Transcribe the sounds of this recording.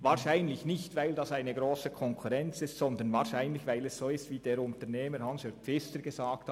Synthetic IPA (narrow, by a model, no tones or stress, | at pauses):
vaːʁʃaɪnlɪçnɪçtvaɪldɑːsaɪnəɡɾoːsəkʰɔŋkʰuʁɛnt͡sɪstsɔnd̪ənvaːʁʃaɪnlɪçvaɪlɛssoːɪstviːdeːɾʊntəneːməɾhɑnshœfɪstəɡ̥əzaːkth